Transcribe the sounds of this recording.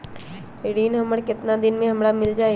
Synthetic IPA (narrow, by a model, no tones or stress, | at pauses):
ɾiːnɦɐməɽkɪt̪nad̪ɪnmẽɦɐmɾamɪld͡ʒaːe